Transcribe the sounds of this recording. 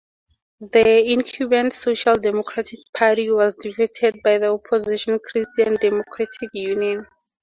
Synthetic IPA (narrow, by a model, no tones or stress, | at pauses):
ðəĩŋkʰjubɛ̃ntsoʃaldɛmɔkʰɹatʰik̚pʰaɾiwɔzdifitʰɛd̚bajðiɔpʰɔziʃɔ̃nkʰɹistiãndɛmɔkʰɹatʰikjuniɔ̃n